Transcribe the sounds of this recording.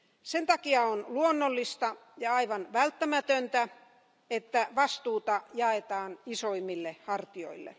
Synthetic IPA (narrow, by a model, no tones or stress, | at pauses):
sent̪ɑkiɑonluonːolːist̪ɑjɑɑiʋɑnʋælt̪ːæmæt̪ønt̪æ | et̪ːæʋɑst̪uːt̪ɑjɑet̪ɑːnisoimːilːehɑrt̪io̰ilːḛ